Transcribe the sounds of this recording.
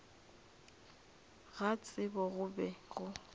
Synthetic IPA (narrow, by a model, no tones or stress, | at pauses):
ɣat͡sʼɪbɔɣʊbɛɣʊ